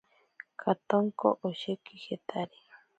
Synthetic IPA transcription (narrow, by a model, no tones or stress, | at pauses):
kʰat̪oŋko̰ʔoʃekihet̪ʰaɾi̥